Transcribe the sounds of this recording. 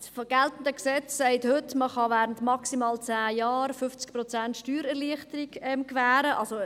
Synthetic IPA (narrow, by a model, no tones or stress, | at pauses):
sfɡ̥ɛltn̩dəksɛt͡sːaɪthʏtməχɑvæːɾəntmɑksimɑːlt͡sæːjɑːɾfʏft͡sk̚prɔt͡sæntʃtyːɾɛʁliəχtəɾiɡɛmkvæːɾəʔɑlso